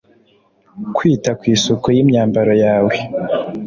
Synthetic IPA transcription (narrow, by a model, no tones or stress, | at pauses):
kwiːtakwiːsukojimɲaːmbaɾo̞jaːwe